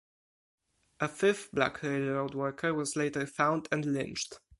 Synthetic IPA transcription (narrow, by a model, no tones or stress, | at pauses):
ʔəfɪfb̥læ̰kʰɹeɪlɹoʊdwɜ˞kʰə˞wʌzleɪtə˞fãʊ̃ndɨ̃nlɪ̰̃nt͡ʃt